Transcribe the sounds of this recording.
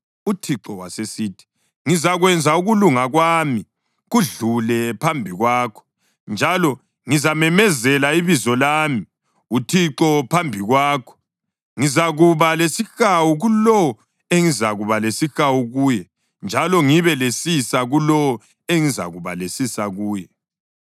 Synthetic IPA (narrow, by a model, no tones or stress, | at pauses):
utʰiǁɔwa̰sesiːtʰi̥ | ŋizaɣwɛnd͡zʱauɣuluŋaɣwaːmi | ɣuɮulɛpʰambʱiɣwaːkʰɔ̥ | nd͡ʒʱalɔ | ŋizamɛmɛzɛlaiβizɔlaːmi | utʰiǁɔpʰambʱiɣwaːkʰɔ̥ | ŋizaɣuβalesixawuɣulɔ | eŋizaɣuβalesixawuɣuːjɛ | nd͡ʒʱalɔŋiβɛlesisaɣulɔ | eŋiza̰ɣuβa̰lesisaɣuːjɛ